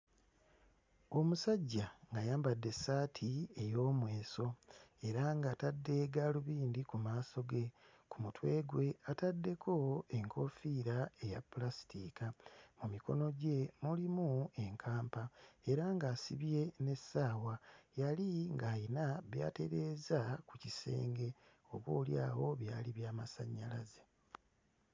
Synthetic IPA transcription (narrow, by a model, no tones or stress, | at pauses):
o̞musaɟːaŋɡajaːmbadːe̞saːtʰie̞jo̞ːmwe̞ːso̞e̞ɾaŋɡaːtadːe̞ːɡaluβiːndikumaːso̞ɡe̞ | kumutwe̞ːɡwe̞atadːe̞kʰo̞e̞ŋkʰo̞fiɾae̞ja̰pulasi̥tikamumiko̞no̞ɟe̞mulimue̞ŋkʰaːmpae̞ɾaŋɡaːsḭβje̞ne̞saːwajaliŋɡaːjinaβja̰ːte̞ɾe̞ːzakucise̞̰ːŋɡe̞ | o̞βuːlja̰ːwo̞βja̰ːliβjaːmasaɲːalaze